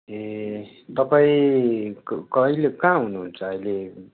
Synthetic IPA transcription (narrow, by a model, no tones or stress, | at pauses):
e | t̪ʌpaĩkkʌilekãɦunuɦunt͡sʰaːile